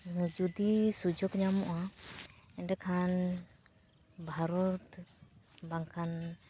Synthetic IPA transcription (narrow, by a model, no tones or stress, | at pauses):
d͡ʒud̪isud͡ʒɔɡɲamɔʔa | ɛnɖɛkʰan | bʱaɾɔt̪ | baŋkʰan